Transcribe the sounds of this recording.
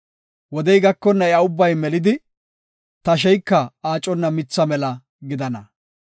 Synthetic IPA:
wɔd̪ɛjɡɐkːɔnːɐɐʊbːɐjmɛlɪd̪ɪ | t̪ɐʃ̬ɛjkːɐaːt͡ʃʼːɔnːɐmɪt͡sːɐmɛlɐ | ɡɪd̪ɐnɐ

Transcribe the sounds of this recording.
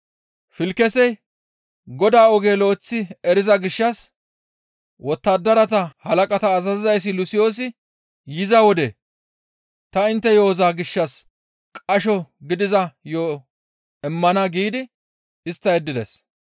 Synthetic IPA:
fɪlkɛsɛj | ɡɔd̪aːɔɡe̞ːlo̞ːt͡sːɪɛɾɪzɐɡɪʃːɐs | wɔt̪ːad̪ːɐɾɐt̪ɐhɐlɐkʼɐt̪ɐːzɐzɪzɐjs̬ːɪlʊsɪjo̞ːs̬ɪ | jɪzɐwɔd̪ḛ | t̪ɐɪnt̪ːɛjo̞ːzaːɡɪʃːɐs | kʼɐʃɔɡɪd̪ɪzɐjoː | ɛmːɐnɐɡiːd̪ɪ | ɪst̪ːɐjɛd̪ːɪd̪ɛs

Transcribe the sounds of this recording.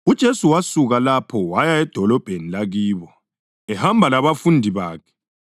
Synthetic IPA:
ud̥ʒ̥ʱesuwasuɣalapʰɔwajaɛd̥ʱɔlɔb̥ʱenilaɣiːβɔ | ɛhambʱalaβafundʱiβaːkʰɛ̥

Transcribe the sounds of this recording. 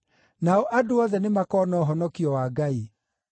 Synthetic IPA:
naɔʔadoaðɛnemakɔːnɔɦɔnɔkiɔwaɡai

